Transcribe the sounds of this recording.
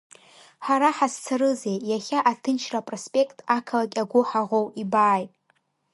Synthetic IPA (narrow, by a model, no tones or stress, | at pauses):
ħaɾaħast͡sʰaɾɨzejjaχʲaʔatʰɨnt͡ʃʰrapʼrospʼe̞kʰtʼakʰalakʲaɡʷʊħaʁʷowibaːjtʼ